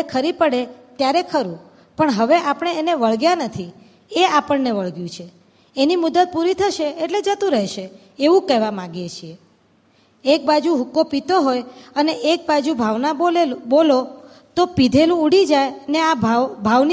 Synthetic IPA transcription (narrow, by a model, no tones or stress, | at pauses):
kʰəɾipəɽet̪jaɾekʰəɾũ | pəɳɦəʋeʔapəɳ̃eːneʋəɭɡjanət̪ʰi | eapəɳneʋəɭɡjũt͡ʃʰe | enimud̪ːət̪̚puɾit̪ʰəʃeːʈled͡ʒət̪ũɾəɦʃe | eʋũkɛɦʋamãɡjet͡ʃʰie | ek̚bad͡ʒuɦukːopit̪oɦojəneʔek̚bad͡ʒubʱaʋnabolo | t̪opid̪ʱelũuɽid͡ʒajəneabbʱaʋn